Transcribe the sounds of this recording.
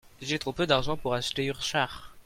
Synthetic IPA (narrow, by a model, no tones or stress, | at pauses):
ʒet̪χopød̪aʁʒɑ̃puʁaʃt̪eyʁʃaʁ